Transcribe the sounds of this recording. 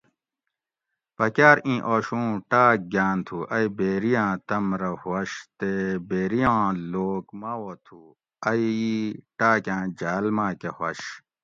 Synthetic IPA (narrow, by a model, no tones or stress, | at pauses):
pɐkjaːɾĩːʔoːɕũːʈaːk̚ɡaːnt̪ʰuʔɐibeːɾijãːt̪ɐmɾɐhwɐɕt̪ebeːɾijãːloːkmawot̪ʰu | ɐjiʈaːkjãːd͡ʑaːlmãːkehwɐ̰ɕ